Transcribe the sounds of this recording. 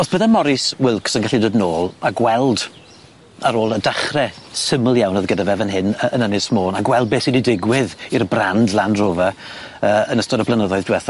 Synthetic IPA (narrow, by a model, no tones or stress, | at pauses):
ɔsb̥əðɛmɔɾɪswɪlˠksənɡaɬidoːdnoːlˠaɡwɛlˠd | aɾoːlˠədaχrɛsəməlˠjawnɔðɡədavɛvənɦɪnəənənɪsmoːnaɡwɛlˠd̚beːsididɪɡwɪðirbrandlˠandroːvaəːənəstɔdɔblˠənəðɔɨðdwɛθa